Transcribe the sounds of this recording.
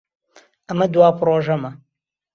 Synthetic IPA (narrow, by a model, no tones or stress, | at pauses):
ɐmɐd̪waːpʰɾoːʒɐmɐ